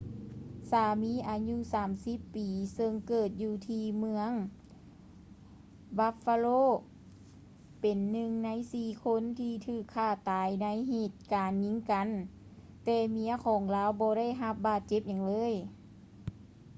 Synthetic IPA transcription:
saː˧˩miː˧˥ʔaː˨˩ɲu˧˨saː˨˩˦msi˧˦˥pːiː˨˩sɤ˧ŋkɤː˧˨˩t̪̚juː˧t̪ʰiː˧mɯ˧əŋ | ba˧˥faː˧loː˧˥˨ | pe˨˩nːɯ˧ŋna˧˥jsiː˧˩kʰo˧˥˨nt̪ʰiː˧t̪ʰɯː˧˩kʰːaː˧˩t̪aː˨jna˧˥jɦeː˧˩t̪̚kaː˨˩nɲi˧˥ŋka˨˦n | t̪ɛː˧˩mi˧˥ɐkʰɔː˨˩˦ŋlaː˧˥wbɔː˧˦ɾa˥˩jɦa˧p̚baː˧˩t̪̚t͡ɕe˧˥p̚ɲa˨˩ŋlɤː˧˥˨j

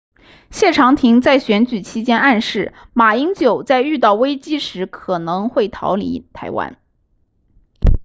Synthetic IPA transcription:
ɕjɛ˥˩ʈ͡ʂʰɑ˧˥ŋt̪ʰi˧˥ŋt͡sa˥˩ɪɕɥɛ˧˥nt͡ɕy˨˩t͡ɕʰi˥t͡ɕjɛ˥na˥˧nʂɻ̩˥˩ma˨˩i˥ŋt͡ɕjo˨˩ʊt͡sa˥˧ɪy˥˧t̪̬ɑ˥˩ʊwe˥ɪt͡ɕi˥ʂɻ̩˧˥kʰɤ˨˩nɤ˧˥ŋxwe˥˩ɪt̪ʰɑ˧˥ʊlḭ˧˥t̪ʰa˧˥ɪwa̰˥n

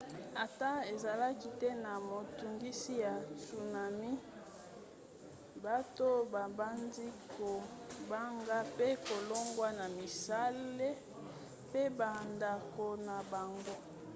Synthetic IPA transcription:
a˨ta˦e˨za˨la˦ki˦tɛ˦na˨mo˨tu˨ŋɡi˦si˦ja˨su˨na˨mi˦ | ba˦to˦ba˨ba˦ndi˦ko˨ba˦ŋɡa˦pe˦ko˨lo˦ŋɡwa˦na˨mi˨sa˦le˦ | pe˦ba˨nda˨ko˨na˨ba˨ŋɡo˦

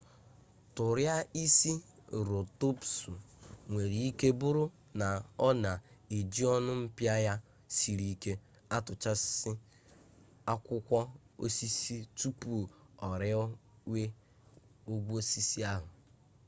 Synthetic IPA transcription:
tʊ˨ɾja˦i˦si˦ɾo˨to˦psu˨ŋʷe˨ɾi˨i˦ke˦bʊ˦ɾʊ˦ | na˨ɔ˦na˨e˨d͡ʒi˦ɔ˦nʊ˦m̩˦pja˦ja˦ | si˨ɾi˦ke˦ | a˦tʊ˨t͡ʃa˦ɪ˦ | a˦kʷʊ˦kʷɔ˦ | o̰˦si˦si˦tu˦pu˦˨ɔ˨ɾɪ˦ | we˦ | o˦ɡʷu˦o˦si˦si˦a˦ɦʊ˨

